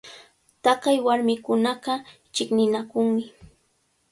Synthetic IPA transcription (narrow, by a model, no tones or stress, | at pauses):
t̪ɑqɑjwaɾmɪkʊnɑqɑ | t͡ʃɪknɪnakʊŋmɪ